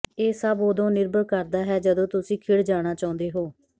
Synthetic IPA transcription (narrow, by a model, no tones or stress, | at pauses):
eːsəbod̪õːnɪɾbəkəɾd̪aːɦɛːd͡ʒəd̪õːt̪ʊsĩːkʰɪɽd͡ʒaːɽ̃aːt͡ʃaːʊ̃nd̪eːɦoː